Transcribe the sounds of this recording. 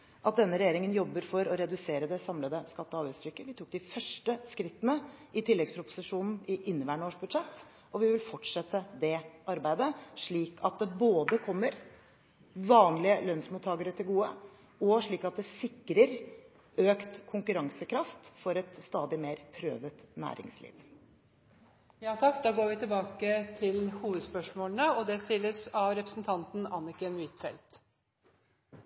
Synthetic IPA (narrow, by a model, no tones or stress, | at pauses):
ʔɑt̪̚d̪ɛnːəɾɛjeːɾɪŋənjɔbːəɾfɔɾɔɾɛd̪ʉseːɾəd̪ɛsɑmləd̪əskɑt̪ːəɑːʋæst̪ʰɾʏkːəʋɪt̪ʰʊk̚d̪ɪfœʂʈəskɾɪt̪ːənəʔɪt̪ʰɪlːɛɡspʰɾʊpʊ̥sɪʂuːnn̩ɪʔɪnːəʋæːɳəoːʂbʉd̪ʂɛt̪ː | ɔʋɪʋɪlfɔʈʂɛt̪ːəd̪ɛʔɑɾbæɪd̪əʂɭiːkʰɑt̪̚d̪ɛboːd̪əkʰɔmːəɾ | ʋɑːnlɪəlœnsmuːt̪ʰːɑːɡəɾət̪ʰɪlɡuːə | ɔʂɭiːkɑt̪̚d̪ɛsɪkːɾəɾ | øːkt̪kʰʊŋkʉɾɑŋsəkʰɾɑft̪fɔɾɛt̪st̪ɑːd̪ɪmeːɾpʰɾø̰ːʋət̪næ̰ːɾɪ̰ŋslḭːʋ | jɑːt̪ʰɑkːd̪ɑːɡoːɾʋɪt̪ʰɪbɑːkət̪ʰɪlhuːʋəd̪spœʂmoːlnəɔd̪ɛst̪ɪlːəsɑʋɾɛpɾəsn̩t̪ʰɑnt̪n̩ɑnɪkənʋɪt̪fɛ̰lt̪